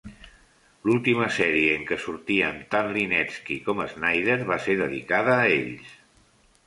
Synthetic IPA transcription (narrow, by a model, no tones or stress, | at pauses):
lulˠt̪iməsɛɾiəəŋkəsuɾt̪iənt̪anlinɛskikɔməznajð̞eɾβ̞aseðəðḭkaðəːeʎs